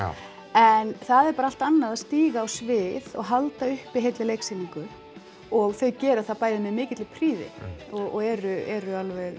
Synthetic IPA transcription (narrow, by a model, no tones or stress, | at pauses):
ɛnθaðɛɾpaːɾaal̥t̪anːaðaðst̪iːɣaːwsvɪðɔ̰ɣɦalt̪aʏhpɪɦejt̪lɪleːjksɪniŋkʏ | ɔɣθœɥcɛːɾʏaθaðpaːjðɪmɛðmɪːcɪt̪lɪpʰɾiːðɪ̰ɔɔɣɛɾʏɛɾʏalvɛð